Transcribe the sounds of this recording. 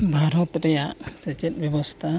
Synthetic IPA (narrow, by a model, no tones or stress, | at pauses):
bʱaɾɔt̪ɾɛjaʔsɛt͡ʃɛt̪̚bjɔbɔst̪ʰa